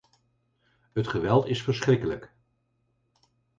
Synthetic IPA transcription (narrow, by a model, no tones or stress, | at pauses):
ɦətχəʋɛlˠtɪsfəɹsχrɪkələk